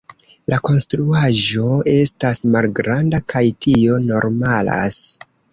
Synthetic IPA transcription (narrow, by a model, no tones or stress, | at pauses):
lʔako̞nstɾuaʒo̞e̞stasmalɡɾandakʰajtʰio̞no̞ɾmala̰s